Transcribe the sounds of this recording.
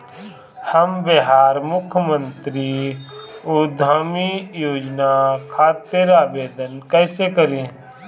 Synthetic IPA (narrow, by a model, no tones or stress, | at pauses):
həmbeɦaːɾmʊkʰjəmə̃nt̪ɾi | ud̪ʱaːmijoːd͡ʒnakʰaːt̪eɾaːbeːd̪ənkɛːsekəɾẽː